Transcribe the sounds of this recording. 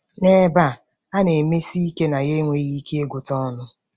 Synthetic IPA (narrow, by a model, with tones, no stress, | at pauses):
ne˦ba˦ | a˦ne˨me˦si˦i˦ke˦na˨ɣe˦ŋʷe˨ɣi˦ke˦e˦ɡʷʊ˨tɔ˦nʊ˦